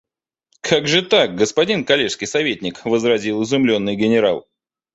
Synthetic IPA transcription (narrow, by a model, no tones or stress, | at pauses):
kʰaɡʐɨt̪ak̚ɡəspɐdʲinkɐlʲeʂskʲɪjsɐvʲetʲnʲɪkvəzɾɐzʲilˠɨzʊmlʲo̞nːɨjɡʲɪnʲɪɾalˠ